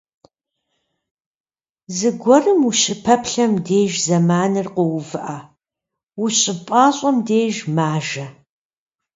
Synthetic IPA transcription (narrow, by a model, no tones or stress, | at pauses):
zɨɡʷɔrɨmuɕʼɪpʰɐpʰɬɐmdeːʒzɐmaːnɨrqɔwʊvɨʔa | wʊɕʼɪpʼaːɕʼɔmdeːʒmaːʒɐ